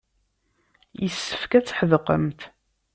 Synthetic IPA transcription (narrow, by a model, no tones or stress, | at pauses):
jəsːəfkæt͡sːħəðəqə̰mt̪